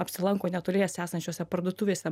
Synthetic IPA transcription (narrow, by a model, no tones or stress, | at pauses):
ɐpʲsʲɪlˠɐŋkoːnʲɛt̪olʲeːjɛsʲæːsɐnʲt͡ʃʲoːsʲɛpɐrd̪uɔt̪uːʋʲeːsʲɛ